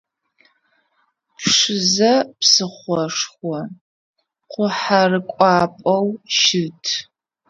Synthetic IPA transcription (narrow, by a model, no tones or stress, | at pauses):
pʰʂɨzɐpsɨχʷɔʂχʷɔ | qʷʊħarɨkʷʼɑːpʼɐwʃɪtʰ